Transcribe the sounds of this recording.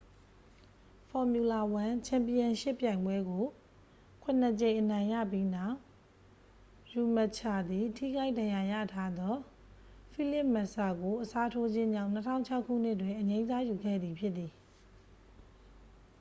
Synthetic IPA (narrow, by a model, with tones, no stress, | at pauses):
fʰɔ˨mju˨la˨wã˨t͡ɕʰã˨mpi˨ã˨ʃḛ˦˨pjã˨ɪ̃mbwɛ˦ɡo˨ | kʰwʊ̃˦˨nə˨t͡ɕẽ˨ɪ̃ʔənã˨ɪ̃ja̰˦˨p̬ji˦na˦˨ʊʔ | ju˨mə˨t͡ɕʰa˨d̪i˨tʰḭ˦˨ɡa˦ɪʔdã˨ja˨ja̰˦˨tʰa˦d̪ɔ˦ | fʰi˦˨lɪ˦p̚ma˨ʔsa˨ɡo˨ʔəsa˦tʰo˦d͡ʑɪ̃˦ɲd͡ʑã˦ʊ̃n̥ə˦tʰã̰˦ʊ̃ɲt͡ɕʰa˦ʊʔkʰːṵ˦˨n̥ɪ˦ʔtwɪ̃˨ʔəɲẽ˦za˦ju˨ɡɛ̰˦˨d̪ði˨pʰjɪ˦t̪t̪ːi˨